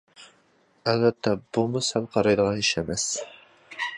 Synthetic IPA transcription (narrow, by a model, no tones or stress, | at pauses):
ælvɛt̪ʰːɛb̥umusælˠqʰɑɾɑjd̪əʁɑniʃɛmɛs